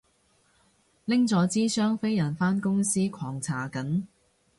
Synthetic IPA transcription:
lɪ˥ŋt͡sɔː˨˧t͡siː˥sœː˥ŋfe˥jjɐ˨˩nfaː˥nkʊ˥ŋsiː˥kʷʰɔː˨˩ŋt͡sʰaː˨˩kɐ˨˥n

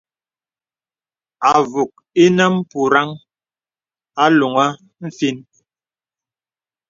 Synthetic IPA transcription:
a˨vu˨k̚ | i˦nə˦m˦pu˨ɾa˦ŋ | a˦lu˨ŋa˦ | m̩˦fi˦n

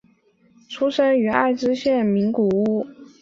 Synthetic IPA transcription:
ʈ͡ʂʰu˥ʂə˥ny˧˥a̰˥˩ɪʈ͡ʂɻ̩˥ɕjɛ˥˩nmi˧˥ŋku˨˩u˥

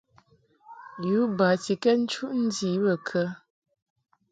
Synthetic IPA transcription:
ju˨˦ba˨ti˨kɛ˦n̩˦t͡ʃu˦ʔn̩˦di˨˦bə˨kʰə˦

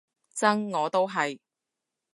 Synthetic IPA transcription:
t͡sɐ˥ŋːɔː˨˧t̪o˥wɦɐ˨j

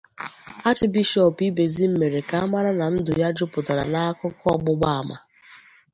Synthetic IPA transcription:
a˦t͡ʃɪ˨bi˦ʃɔ˨pi˦be˨zi˦m̩˦me˨ɾe˨ka˨a˦ma˦ɾa˦na˨n̩˦dʊ˨ja˦d͡ʒʊ˦pʊ˨ta˨ɾa̰˨na˦a˦kʊ˦kʊ˦ɔ˦ɡ͡bʊ˦ɡ͡ba˦a˨ma̰˨

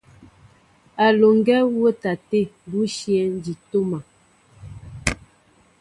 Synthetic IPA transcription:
a˨lo˨ŋ˦ɡɛ˦wo˦ta˨te˦˨bu˦ʃjɛ˨˦n̩˦d͡ʒi˨to˦ma˨

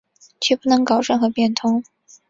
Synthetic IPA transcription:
t͡ɕʰɛ˥˩pu˥˩nɤ˧˥ŋkɑ˨˩ʊɻə˥˩ŋxɤ˧˥pjɛ˥˩nt̪ʰʊ˥ŋ

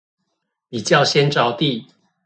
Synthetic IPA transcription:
pi˨˩t͡ɕjɑ˥˨ʊɕjɛ˦nʈ͡ʂɑ˧˦ʊt̪i˥˨

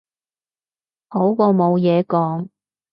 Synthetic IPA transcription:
ho˨˥wkɔː˧mo˨˧wjɛː˨˧kɔː˨˥ŋ

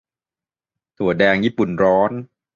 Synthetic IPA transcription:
t̪ʰu˨˩˦ɐdɛː˧ŋjiː˦˥˩pu˨˩nɾɔː˦˥n

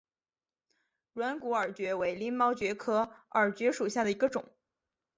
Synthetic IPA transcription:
ɻwa˧˥nku˧˥ə˞˨˩t͡ɕɥɛ˧˥we˧˥ɪljɛ˥nmɑ˥ʊt͡ɕɥɛ˧˥kʰɤ˧˥ə˞˨˩t͡ɕɥɛ˧˥ʂu˨˩ɕja˥˩d̪ə˩i˧˥ɡə˧ʈ͡ʂʊ̰˨˩˦ŋ

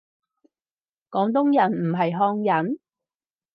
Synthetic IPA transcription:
kɔː˨˥ŋt̪ʊ˥ŋjɐ˨˩nm̩˨˩ɦɐ˨jɦɔː˧ŋjɐ˨˥n

